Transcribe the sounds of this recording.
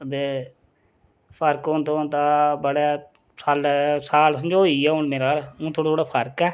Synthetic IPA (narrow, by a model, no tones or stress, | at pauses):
ət̪eː | pʰəɾkõnt̪õːnt̪aːbəɽaː | saːlːsaːlsəmd͡ʒoːiːɛːʊɳmeːɾaːlũːt̪ʰoːɽat̪oːɽaːpʰəɾkɛː